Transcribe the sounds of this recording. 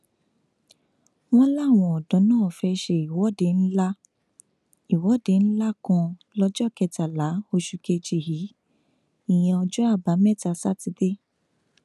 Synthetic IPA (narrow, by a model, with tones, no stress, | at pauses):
w̃ɔ̃˦la˦˨w̃ɔ̃˧˨ɔ˨dɔ̃˨˦nãː˦˨fɛ˧ʃe˧˨i˨wɔ˨˦de˨˦n̩˦la˦ | i˨wɔ˨˦de˨˦ñ̩˦la˦kɔ̃˧lɔ˧d͡ʒɔ˦˨kɛ˧ta˨la˨˦o˧ʃu˧ke˧d͡ʒi˨hi˨˦ | i˦˨j̃ɛ̃˧ɔ˧d͡ʒɔ˦a˦˨ba˨˦mɛ˦˨ta˧˨sa˦ti˧˦de˦